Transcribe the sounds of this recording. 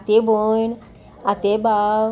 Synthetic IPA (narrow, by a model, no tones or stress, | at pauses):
t̪ebon | at̪eba